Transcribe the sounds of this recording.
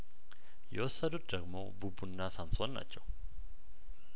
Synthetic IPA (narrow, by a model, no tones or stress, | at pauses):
jɛwɔsːəd̪ut̪̚d̪əɡmo̰bubunːasamsonːa̰t͡ʃːɛw